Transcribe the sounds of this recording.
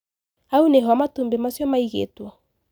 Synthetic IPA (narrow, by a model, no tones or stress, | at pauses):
auneɦɔamatumbemasjɔmaiɣḛtwɔ